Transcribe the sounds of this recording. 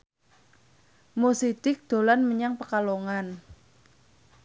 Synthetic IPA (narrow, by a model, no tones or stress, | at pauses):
mosid̪̥ɪk̚d̪̥o̤lanməɲaŋpəkaloŋan